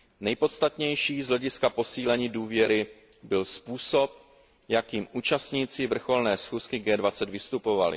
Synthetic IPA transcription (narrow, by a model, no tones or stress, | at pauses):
nɛjpo̞t̪st̪at̪ɲɛjʃiːzɦlɛɟɪskapo̞siːlɛɲiːduːvjɛɾɪ | bɪlspuːso̞p̚ | jakiːmʔuːt͡ʃast̪ɲiːt͡sɪvr̩xo̞lnɛːsxuːskɪɡɛːdvat͡sɛd̪vɪst̪upo̞valɪ̰